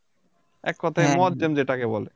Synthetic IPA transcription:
ɛkːɔt̪ʰaejmɔt̪̚d͡ʑemd͡ʑeʈakebɔle

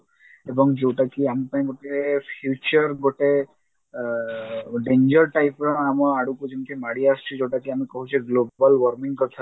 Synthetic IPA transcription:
ebɔŋd͡ʒewʈakiamipaĩɡoʈepʰjut͡ʃɔɾɡoʈe | ɖend͡ʒɔɾʈajpɾɔamɔɹaɽukud͡ʒint̪ʰimaɽiast͡ʃʰud͡ʒewʈakiamikɔɦut͡ʃʰeɡlobbalwɔɾmiŋkɔt̪ʰa

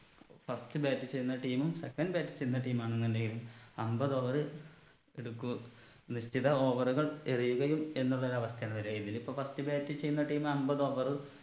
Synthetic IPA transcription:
fɐstɨbaːtːit͡ɕejːunːɐʈiːmumsekːɐnɖɨbaːtːɨ̥t͡ɕejːunːɐʈiːmaːɳeŋːɐndeŋɡilumɐmbɐðo̞ːʋɐrɨ | eɽukːum | niɕtiðɐo̞ːʋɐruɣɐɭerijuɣɐjume̞nːuɭːɐoɾuɐʋɐst̪ʰɐjaːɳɨʋɐɾuɐinilipːoːfɐstɨbaːtːit͡ɕe̞junːɐʈiːjmɐmbɐðo̞ːʋɐrɨ

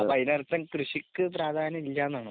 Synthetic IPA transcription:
pɐjnɐrt̪ːɐmkrɨɕikːɨpɾaːd̪ʱaːnɐmilːaːnːaːɳɨ

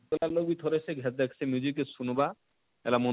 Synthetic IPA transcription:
olalobit̪ʰoɾesʰeɡʱɛt̪̚d̪ɛkʰsʰemid͡ʑikesunba | ɛ̰lamo

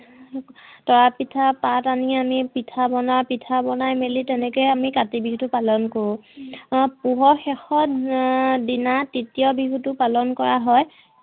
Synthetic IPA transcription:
tɔɹapitʰapataniamipitʰabɔnaɹpitʰabɔnajmelitɛnɛkɔjamikatibiɦutʊpalɔnkoɹũ | puɦɔxɛxɔ | dinatitijɔbiɦutʊpalɔnkɔɹaɦɔj

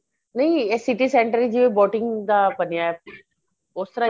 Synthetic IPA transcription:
nɐɦĩesɪʈisẽːɳʈəɾd͡ʒiebɔːʈɪŋɡd̪aːbɐnijaɛ | ʊst̪əɾa

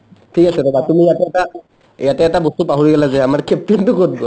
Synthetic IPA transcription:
tʰikasɛtɔbatumijatɛta | jatɛːtabɔstupaɦuɹiɡɛlazɛamaɹkʰɛp̚tintʊkot̚ɡɔa

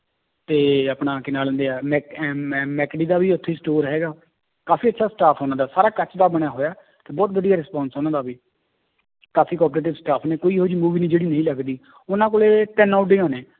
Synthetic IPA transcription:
t̪eːəpɽãːkɪnaːlə̃nd̪eːaːmɛːmɛːkɖiːd̪aːʋiːʊt̪ʰːeːsʈoːɾɦɛːɡaː | kaːfʰiːətːʃʰaːsʈaːpʰoːnãːd̪aːsaːɾaːkət͡ʃd̪aːbəɽ̃aːɦoːjaː | t̪eːbɔːt̪ʋəd̪ijaːɾɪspãːnsɦoːnãːd̪aːbiː | kaːfʰiːkɔːpɾeːʈɪʋsʈaːpʰneːkoːiːɦoːd͡ʒiːmuːʋiːnĩːd͡ʒeːɽiːnəĩːləɡd̪iː | ʊnãːkoːleːʈɛːnaːʊʈɖeːãːnẽː

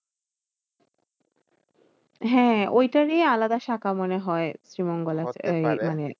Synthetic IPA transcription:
ɦɛ̃ojtaɹealad̪aʃakamɔneɦɔesɹimɔŋɡɔlaəjmane

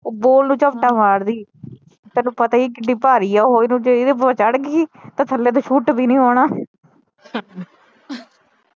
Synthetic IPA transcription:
oːboːlnũːt͡ʃəʋʈaːmaːɽd̪iː | t̪ɛːnũːpət̪aːikɪɖiːpaːɾiːɛːɦoːinũːt͡ʃɪd̪eːpət͡ʃəɽɡiːt̪ãːsʰəlːeːt̪̬oːʃʰuːʈbiːnĩːɦoːɽaː

